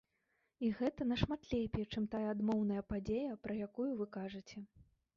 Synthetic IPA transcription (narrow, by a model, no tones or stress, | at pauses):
iɣɛt̪ɐnɐʂmat̪lʲejpʲjɛt͡ʂɨmt̪ajɐaːd̪mɔwn̪ɐjɐpad͡zʲejɐpɾɐjakujuvɨkaʐɨt͡sʲɛ